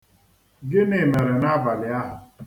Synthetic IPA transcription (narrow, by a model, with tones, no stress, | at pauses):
ɡɪ˦ne˨me˨ɾe˨na˦ba˨lɪ˨a˦ɦʊ˨